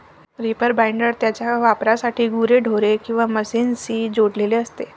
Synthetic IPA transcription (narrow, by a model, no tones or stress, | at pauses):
ɾipəɾbajɳɖəɾt̪jat͡ɕjaʋapɾasaʈʰiːɡuɾeɖʱoɾekĩw̃ʋaməsiːnsiːd͡ʑoɽleleəst̪e